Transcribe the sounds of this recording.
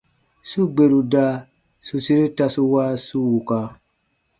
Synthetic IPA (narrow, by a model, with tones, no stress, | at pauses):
su˦ɡ͡be˨ɾu˨da˦ | su˨si˦ɾi˦ta˧su˦wa˦su˦wu˨ka˧